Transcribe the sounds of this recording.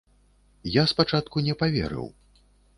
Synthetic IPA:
jaspat͡ʂat̪̚kunʲɛpavʲɛ̰ɾɨ̰w

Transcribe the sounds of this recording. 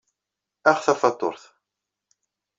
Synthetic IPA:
æχθɑfɑt̪ˤːo̰ɾθ

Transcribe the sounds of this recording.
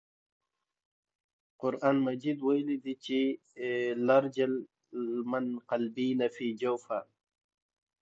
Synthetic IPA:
qʊɾʔaːnmad͡ʒid̪wajlid̪it͡ʃi | laɾd͡ʒal | manqalbiːnafiːd͡ʒawfa

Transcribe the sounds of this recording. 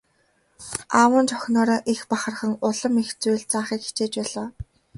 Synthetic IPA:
aːwə̆nt͡ɕʰɔxʲnɔːɾɔːʔixpaχə̆rχə̆ŋʊɮə̆mixt͡sujɮt͡saːχiːkxi̥t͡ɕeːt͡ɕpæːɮɔː

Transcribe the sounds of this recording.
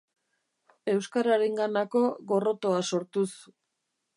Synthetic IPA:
e̞wskaɾaɾe̞ŋɡanako̞ɣo̞ro̞t̪o̞aso̞ɾt̪us

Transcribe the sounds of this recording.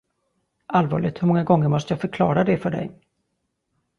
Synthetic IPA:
ʔalvɑ̰ːɭɪɡ̚t̪hɵɾmɔŋːaɡɔŋːəɾmɔst̪əjɑːfœɾkʰlɑːɾad̪ɛfœɖɛ̰j

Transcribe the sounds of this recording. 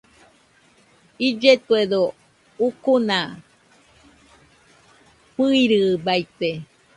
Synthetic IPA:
id͡ʒet̪ued̪o | ukuna | pɨiɾɨbait̪e

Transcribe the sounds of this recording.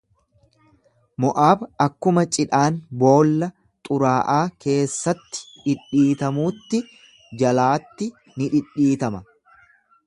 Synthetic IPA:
mɔʔaːbɐkːʊmɐt͡ʃʼɪᶑaːnbo̞ːlːɐ | t̪ʼʊɾaːʔaːkʰe̞ːsːɐt̪ːɪ̥ᶑɪᶑiːt̪ɐmuːt̪ːɪ | d͡ʒɐlaːt̪ːɪ | nɪᶑɪᶑːiːt̪ɐmɐ

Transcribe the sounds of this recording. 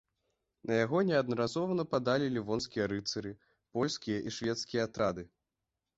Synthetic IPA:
nɐjaɣɔnʲɛɐd̪̚nɐɾazɔvɐnɐpad̪alʲilʲivɔnskʲijɐɾɨt̪sɨɾɨ | pɔlʲskʲijɐʔiʂvʲɛt̪skʲijɐat̪ɾad̪ɨ

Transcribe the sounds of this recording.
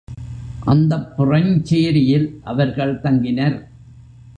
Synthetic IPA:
ʔɐnd̪ɐpːʊrɐɲt͡ʃeːɾɪjɪlʔɐʋɐɾɣɐɭt̪ɐŋɡɪnɐɾ

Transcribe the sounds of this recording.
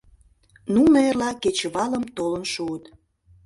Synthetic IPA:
numerlɑket͡ɕəβɑləmt̪olənʃuət̪

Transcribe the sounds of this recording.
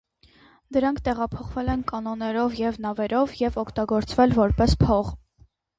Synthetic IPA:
d̪əɾɑŋkʰt̪ɛʁɑpʰɔχvɛlɛnkɑnɔnɛɾɔvjɛvnɑvɛɾɔvjɛvɔkʰt̪ɑɡɔɾt͡svɛlvɔɾpɛspʰɔʁ

